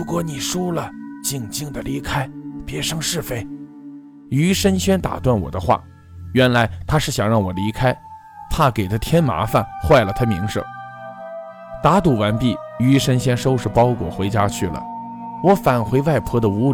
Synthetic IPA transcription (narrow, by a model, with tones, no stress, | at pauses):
ɻu˧˥kwɔ˧˥ni˨˩ʂu˥lə˨t͡ɕi˥˧ŋt͡ɕi˥˩ŋd̪ə˨li˧˥kʰa˥ɪpjɛ˧˥ʂɤ˥ŋʂɻ̩˥˩fe˥˩ɪ | y˧˥ʂə˥nɕjɛ˥nt̪a̰˨˩t̪wa˥˩nwɔ̰˨˩d̪ə˦xwa̰˥˩ | ɥɛ˧˥nla˧˥ɪt̪ʰa˥ʂɻ̩˥˩ɕjɑ˨˩ŋɻɑ˥˩ŋwɔ˨˩li˧˥kʰa˥ɪ | t̪ʰa˥ke˨˩ɪt̪ʰa˥t̪ʰjɛ˥nma̰˧˥fa˥˧˩nxwa˥˩ɪlə˩t̪ʰa˥mḭ˧˥ŋʂɤ̰˥˩ŋ | t̪a˧˥t̪u˨˩wa˧˥npi˥˩y˧˥ʂə˥nɕɛ˥nʂo˥ʊʂɻ̩˥˩pɑ˥ʊkwɔ̰˨˩xwe˧˥ɪt͡ɕja˥t͡ɕʰy˥˩lə̰˩ | wɔ˧˥fa˨˩nxwe˧˥ɪwa˥˩ɪpʰɔ˥d̪ə˨u˧˥